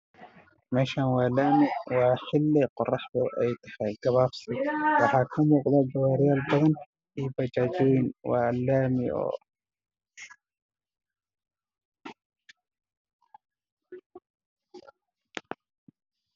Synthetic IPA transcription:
mɛːʃaːnwaːlaːmɪwɑːħɪlːɛqʊrːɑħbɔʔɛjt̪ʰɐ̥ħɛɡɐβaːfsɪwɑħɑːkʰɐmuːqd̪ad͡ʒɐwaːɾɪjaːlbɐðɐn | iːbɐd͡ʒaːd͡ʒɔjɪnwa̰ːlːaːmɪɔ̰ː

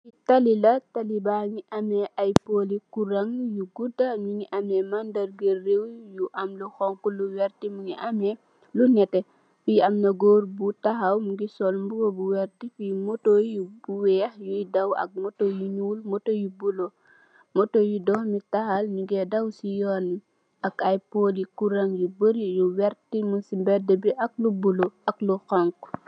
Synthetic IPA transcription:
itɐlilɐtɐlibaɲiʔɐmɛʔɐjpolikuɾɐŋjuɡudɐɲuŋiʔɐmɛmɐndɐrɡərewjuʔɐmluxɔŋkuluwɛrtimuŋḭʔɐmɛ | lunɛtɛ | fiɐmnɐɡoːɾbutɐxɐwmuɡisɔlmbuɡobuwɛɾtifimɔtojubuwɛːxjujdɐwɐ̰k̚mɔtojuɲuːlmɔtojubulo | mɔtojudɔhmitɐxɐlnuɡɛdɐwsijɔːni | ɐkɐjpolikuɾɐŋjubəɾijuwɛɾtimunsimbɛdəbiʔɐk̚lubulɔɐkluxɔŋku

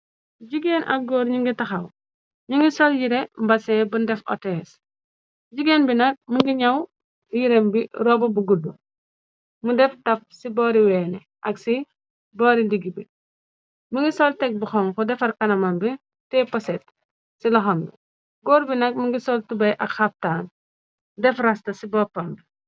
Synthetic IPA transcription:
ɟiɡeːnʔɐ̰k̚ɡɔːɾɲiŋɡitɐxɐw | ɲiŋɡisɔljiɾembɐsɛbundɛfɔ̰tɛːs | ɟiɡenbinɐk̚muŋɡiɲɐw | jiɾembiɾɔbɐbuɡudu | mudɛftɐp̚sibɔːɾiwɛːnɛ | ʔɐksi | bɔɾindiɡibi | muŋɡisɔltɛk̚buxɔŋkɔdɛfɐɾkɐnɐmɐmbi | tɛpɐsɛt̚ | silɔxɔmbi | ɡɔːɾbinɐk̚muŋɡisɔltubɐjʔɐkxɐftaːn | dɛfrastɐsibɔpɐmbi

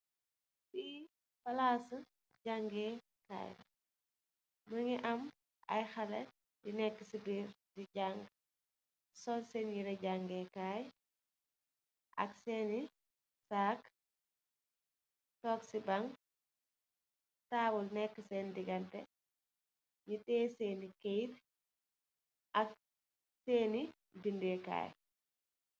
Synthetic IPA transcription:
si | fɐlaːs | ɟaŋɡɛ | ka̰ːj | məŋiʔɐm | ɐ̰jxɐlɛ | dinɛkːəsibiːɾdiɟaŋɡ | sɔlsɛnjiɾɛɟaŋɡɛkaːj | ʔɐ̰ksɛni | saːk | tɔːksibaŋ | taːbulnɛkːəsɛndiɡɐntɛ | ɲitɛːseːnikejt | ʔak | seːni | bindɛka̰ːj

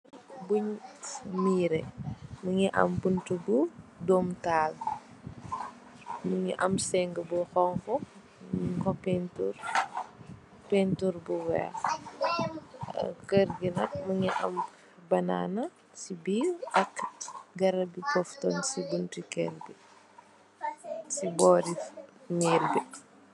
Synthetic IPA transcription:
buɲ | miːɾɛmuŋiʔɐ̰mbuntubudɔːmtaːl | muɲiʔɐ̰msɛŋɡəbuxɔŋfɔ | kɔpɛntur | pɛntuɾbuwɛ̰ːx | kəɾɡinɐk̚muɲiʔɐ̰m | bɐna̰ːnɐ | sibiʔɐkɡɐɾɐbipɔftɔnsibuntikɛ̰rbi | sibɔːɾifniːrbi

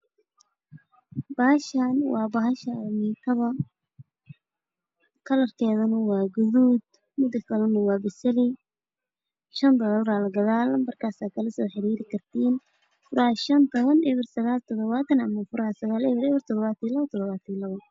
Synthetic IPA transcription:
b̥ɐːhɐʃanwɑːbɐhɐʃɐmit̪ʰɐβɐ | kʰɐlɐrkʰɛːðɐnɐwɑːɡʊðuːd̪ | mʊd̪ɐkʰɐlɐnɐwɑːbɪsɐlɪ | ʃɐnd̪ɐɣɔlɾaːlɐɡɐðaːlɐmmɐrkʰaːsaːd̪̚kʰɐlɐsɔːħɪɾiːɾɪkʰɐrt̪ʰiːn | fʊɾahʃɐnt̪ʰɔβɐnɛβɪrsɐɣaːlt̪ʰɔðɔβaːt̪ʰɐnɐmɐfʊɾhɐsɐɣaːlɛβɪɾɛβɪrt̪ʰɔd̪ɔβaːt̪ʰlɐβɐt̪ʰɔd̪ɔβaːt̪ʰnlɐβɐ

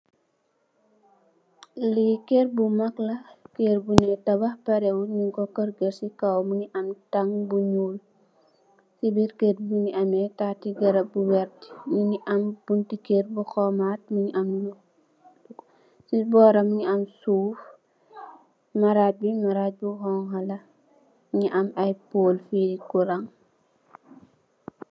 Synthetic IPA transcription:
likerbumɐklɐkerbunɛtɐbɐhpɐɾɛwuɲuŋkɔkərɡəɾsikɐwmuŋiʔɐmtɐŋbuɲul | sibiɾkeɾbuŋiɐmɛtatiɡɐɾɐbuwɛrtɲiŋiʔɐmb̥untikeɾbuxɔmaːt̚muɲiʔɐmlu | sibɔːɾɐmuɲiɐmsuːf | mɐɾaːt̚bimɐɾaːt̚buɦɔŋɦɐlɐ | ɲiʔɐmɐjpoːlfiɾikːuɾɐŋ

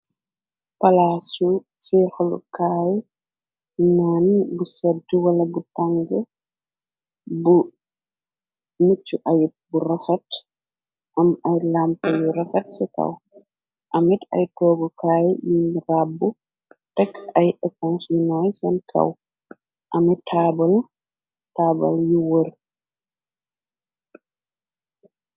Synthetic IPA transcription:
pɐlasu | sɛːxlṵkaːj | nɔːnbusɛdːuwɐlɐbutaŋɡə | bu | mut͡ʃːuʔajburɐfɐt | ʔɐmɐjlampɐjuɾɐfɐt̚sɛkɐ̰w | ʔɐmɛt̪ɐ̰jt̪oːɡɔkaːjjinɾaːbːu | t̪ɐkːɐjʔɛkɔnsinajsɛnkʰɐ̰w | ʔɐmɛt̪ʰːaːbɐl | t̪aːbɐ̰ljɪwɔɾ

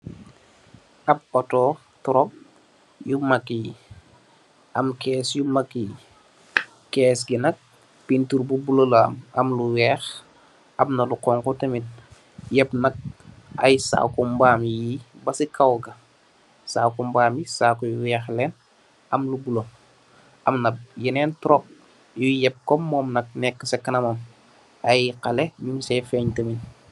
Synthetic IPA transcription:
ʔɐppɐtɔː | tɔɾɔp̚ | jumɐki | ʔɐmkɛːsjumɐki | kɛːsɡinɐk̚ | pintuɾbubulolmɐmluwɛːx | ɐmnɐluqɔŋkɔtemit̚ | jɐpnɐk̚ | ɐ̰jsa̰kumbaːmjibɐsikawɡɐ | saːkumbaːmjisaːkujwɛːxlɛn | ɐmlubulo | ʔɐmnɐb̚jinɛntɾɔk̚ | jujɛp̚kɔmːɔmnɐk̚nɛkːəsekːɐnɐmɐm | ɐjqɐlemimsɛfɛɲtəmin

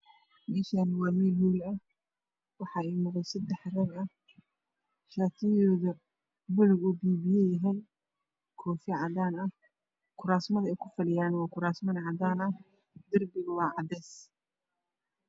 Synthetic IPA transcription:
mɛːʃanwɑːmiːlhuːlɐ | wɑħɑːɛjmʊqɛjsɐd̪ɛħrɛːɡɐ | ʃaːt̪ʰɪjɔːðɐ | bʊlʊɡʊbiːbɪjɛjɛɦɛj | kʰɔːfɪʕɑd̪aːnɐh | kʰʊɾaːsmɐðɐɛjkʰʊfɐlɪjaːnwɑːkʰʊɾaːsmɐnʕɑd̪aːnɐh | d̪ɐrbɪɣwɑːʕɑd̪ɛːs

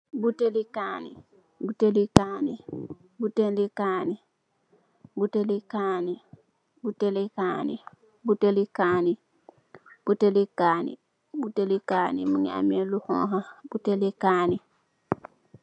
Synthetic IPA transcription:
butelikaːnḭ | butelikaːni | butelikaːni | butelikaːni | butelikaːnḭ | butelikaːni | b̥utelikaːnḭ | butelikaːnḭmuɲa̰meluhɔ̰̃ɦab̥utelikaːni

